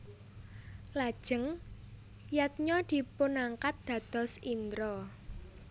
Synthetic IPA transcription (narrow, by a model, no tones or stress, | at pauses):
lad̥ʒ̥ə̤ŋ | jat̪̚ɲɔd̪̥i̤pʊnaŋkat̪̚d̪̥ä̤d̪̥ɔ̤sind̪ɾɔ